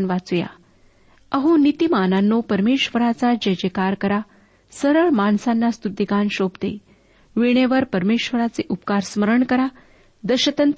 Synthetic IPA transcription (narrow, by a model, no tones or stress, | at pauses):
nʋat͡suja̰ | əɦunit̪imananːopəɾmeɕʋəɾat͡sad͡ʑəd͡ʑekaɾkəɾa | səɾəɭmaɳsanːast̪ud̪iɡanɕobt̪ḛ | ʋiɳ̃eʋəɾpəɾmeɕʋəɾat͡seʔupkaɾsməɾəɳkəɾa | d̪əɕət̪ənt̪